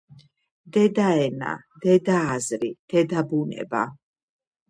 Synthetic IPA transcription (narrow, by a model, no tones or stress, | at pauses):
d̪ɛd̪aɛna̰ | d̪ɛd̪aːzɾid̪̥ɛd̪abunɛ̰ba̰